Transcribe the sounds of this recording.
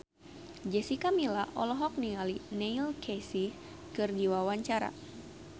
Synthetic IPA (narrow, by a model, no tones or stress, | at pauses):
d͡ʒɛsikamilaʔɔlɔɦɔk̚niŋalineilkʰesi | kɨrdiwawaɲt͡ʃaɾa̰